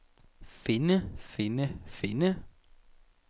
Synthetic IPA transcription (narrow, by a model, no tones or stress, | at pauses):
fɪnəfɪnəfɪnə